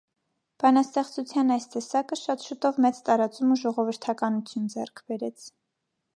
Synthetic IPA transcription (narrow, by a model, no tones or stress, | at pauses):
b̥ɑnɑst̪ɛχt͡sut͡sʰjɑnɑjst̪ɛsɑkəʃɑt̪ʃut̪ɔvmɛt͡st̪ɑɾɑt͡sumuʒɔʁɔvəɾt̪ʰɑkɑnut͡sʰjund͡zɛ̰rkʰb̥ɛɾɛt͡sʰ